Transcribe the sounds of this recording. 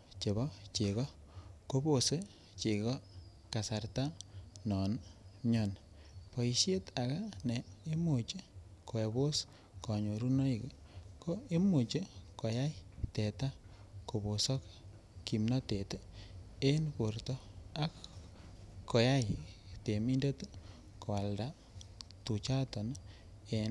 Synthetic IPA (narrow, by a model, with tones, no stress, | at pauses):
t͡ʃe˨βɔ˦t͡ʃe˨kɔ˦ | ko˦bo˨se˦ | t͡ʃe˨kɔ˦ | ka˨sa˨rta˦nɔ˨nɲɔ˨n | po˨i˨ʃe˦ta˨ka˦ne˨e˦mu˨t͡ʃe˦ko˨e˨bo˦s | kɔ˨ɲo˨ɾu˦no˦i˨kko˦e˦mu˨t͡ʃe˦ko˨ja˦jte˨ta˦ | ko˨bo˨sɔ˦k | ki˨mna˦te˨te˦npo˨rtɔ˦a˦k | kːo˨ja˦jte˨mi˦nde˦t | ko˨a˨lda˦ | tu˨t͡ʃa˦tɔ˨n | en